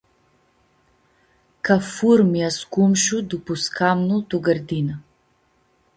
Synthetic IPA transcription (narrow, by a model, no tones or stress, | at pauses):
kʰafuɾmjaskumʃud̪upuskʰamnulˠt̪ɔɡəɾd̪ina